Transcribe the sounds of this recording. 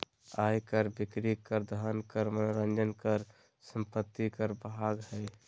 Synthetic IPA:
ajkəɾbikɾikəɾd̪ʱəɦənkəɾmənoɾənd͡ʒənkəɾ | səmpət̪ːikəɾbaɡɦəj

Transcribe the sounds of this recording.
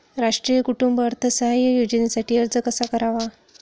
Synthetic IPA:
ɾaʂʈɾijəkuʈumbəɾt̪ʰəsəɦajəjod͡ʑənesaʈiːəɾd͡zəkəsakəɾaʋa

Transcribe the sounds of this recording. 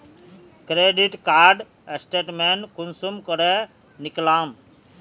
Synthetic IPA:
kɾeɖiʈkaɾɖ | esʈeʈmenkunsumkɔɾe | niklam

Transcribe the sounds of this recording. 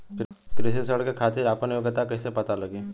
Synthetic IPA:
kɾɪsisəɽkekʰaːt̪iɾapənjoːɡət̪akɐɪsepɐt̪alɐɡiː

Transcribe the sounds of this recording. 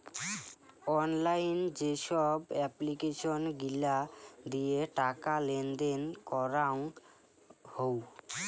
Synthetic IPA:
ɔnlajnd͡ʑeʃɔbɛplikeʃonɡilad̪ijeʈakalend̪enkɔɾaŋ | how

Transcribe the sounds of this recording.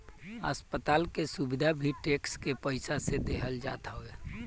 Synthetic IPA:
ə̰spət̪aːlkesubɪd̪ʱabʱiʈeːkskepəɪsased̪eɦəld͡ʒa̰ːt̪aɦoeː

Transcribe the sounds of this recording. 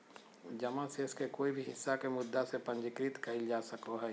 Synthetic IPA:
d͡ʒɐmãseskekoːibʱiɦɪsːakemʊd̪ːasepə̃nd͡ʒɪkɾit̪kɐɦɪld͡ʒaːsəkoɦɛː

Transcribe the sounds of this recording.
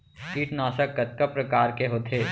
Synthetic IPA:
kiːʈnaːsəkkɐt̪̚kɐpɾɐkaːɾkeɦoːt̪ʰɦeː

